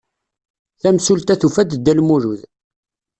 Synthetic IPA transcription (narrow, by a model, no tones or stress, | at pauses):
θæmsult̪æθufæd̪d̪ːælmuɾuð